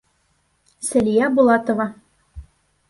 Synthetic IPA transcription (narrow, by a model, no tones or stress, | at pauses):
sæ̆lijæbulˠɑt̪ŏvɑ